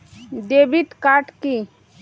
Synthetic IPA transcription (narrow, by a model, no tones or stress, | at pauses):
d̪ebit̪kaʈki